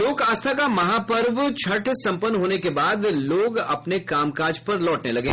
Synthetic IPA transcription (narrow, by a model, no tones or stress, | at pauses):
loːkaːst̪ʰakamɐɦapɐɾʋt͡ʃʰɐʈsɐ̃mpənːɦoːnekebaːd̪loːɡɐpnekaːmkaːɾd͡ʒpɐɾlɔːʈnelɐɡḛ̃ː